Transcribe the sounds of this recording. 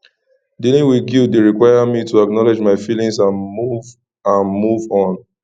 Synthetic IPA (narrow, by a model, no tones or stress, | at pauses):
dilĩŋwiɡildeɹikwajamituaknɔled͡ʒmaɪfilĩŋsãnmuv | ãnmuvɔ̃n